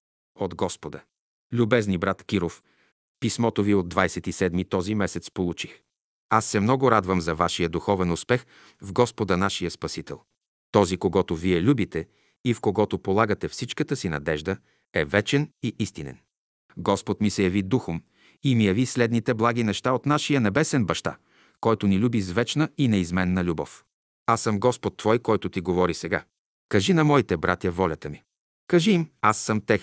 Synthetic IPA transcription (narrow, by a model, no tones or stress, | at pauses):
od̪ɡɔspod̪ə | lʲubɛznibɾat̪kʲiɾof | pismɔt̪oviod̪d̪vajsɛt̪isɛd̪mit̪ɔzimɛsɛt̪spolˠut͡ʃix | asːɛmnɔɡʊɾad̪vəmzɐvaʃijəd̪uxɔvɛnʊspɛx | vɡɔspod̪ənaʃijəspɐsit̪ɛ̰lˠ | t̪ɔzikoɡɔt̪oviɛlʲubit̪ɛ | ifkoɡɔt̪opolˠaɡət̪ɛfsit͡ʃkət̪əsinɐ̰d̪ɛʒd̪ə | ɛvɛt͡ʃɛniʔist̪inɛ̰n | ɡɔspot̪misɛjɐvid̪uxom | imijɐvislɛd̪nit̪ɛblˠaɡ̟inɛʃt̪aot̪naʃijənɛbɛsɛnbɐʃt̪a̰ | kɔjt̪ʊnilʲubizvɛt͡ʃnəinɛizmɛnːɐlʲubɔf | asəmɡɔspot̪ːvɔjkɔjt̪ʊt̪iɡovɔɾisɛɡa̰ | kɐʒinɐmɔit̪ɛbɾʔa̰t̪jɐvɔlʲɐt̪əmi | kɐʒimasːəmt̪ɛx